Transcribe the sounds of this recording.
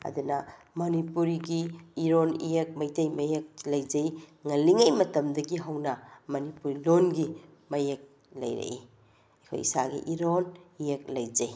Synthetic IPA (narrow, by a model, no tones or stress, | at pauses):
ɐ̰dunɐ | monipuɾiɡiːɾonḭjek̚mɐjtɐjmɐjek̚lɐjd͡ʒɐjŋɐlːiŋɐjmɐtɐmdɐɡiɦɐwnɐmɐnipuɾilonɡi | mɐjek̚ | lɐ̰jɾɐ̰i | ekʰo̰jisaɡḭʔiɾonijek̚lɐjd͡ʒɐj